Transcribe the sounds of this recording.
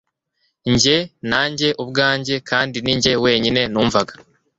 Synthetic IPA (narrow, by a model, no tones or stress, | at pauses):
ɲɟe̞naːɲɟe̞ʔubɡaːɲɟe̞kʰaːndiniɲɟe̞we̞ːɲine̞nuːɱvaɡḁ